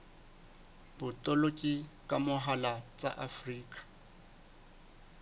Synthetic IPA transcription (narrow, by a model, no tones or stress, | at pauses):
b̥ʊtʼolokʼikʼamʊɦalat͡sʼa̰ʔafriːkʼḁ